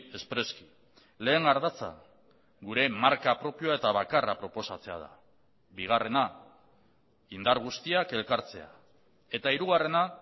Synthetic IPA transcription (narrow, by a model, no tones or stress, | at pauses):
e̞spɾe̞ski̥ | le̞ːŋɡaɾðat͡sa̰ | ɡuɾe̞maɾkapɾo̞pioae̞t̪aβakarapɾo̞po̞sat͡se̞a̰ð̞a̰ | βiɣ̞are̞na | ind̪aɾɣ̞ust̪iake̞lkaɾt͡se̞a̰ | e̞t̪aiɾuɣ̞are̞na